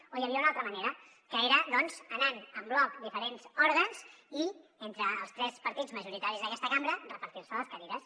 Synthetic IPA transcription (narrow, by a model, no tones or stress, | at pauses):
ojəβiaunalˠt̪ɾəməneɾə | kəeɾəðɔnz̥ənanəmblɔkd̪ifəɾenz̥ɔɾɣənzient̪ɾəːlˠst̪ɾɛspəɾt̪id͡zməʒuɾit̪aɾizðəkɛst̪əkambɾərəpəɾt̪iɾsələskəɾiɾəs